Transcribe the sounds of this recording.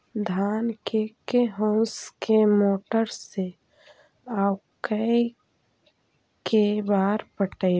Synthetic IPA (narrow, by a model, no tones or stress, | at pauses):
d̪ʱaːnkekeɦõskemoːʈəɾse | awkəi | kebaːɾpəʈəj